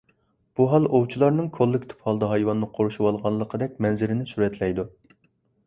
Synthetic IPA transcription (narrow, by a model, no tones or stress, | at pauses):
b̥uɦɑlˠowt͡ʃʰilˠɑɾnɨŋkʰolˠːɨkʲt̪ʰu̥phɑlˠd̪ɑɦɑjwɑnːɨqʰoɾuʃuwɑlˠʁɑnlˠːəqʰəd̪ɛk̚ʲmɛnzɪɾɪnɪsuɾɛt̪ʰlɛjd̪u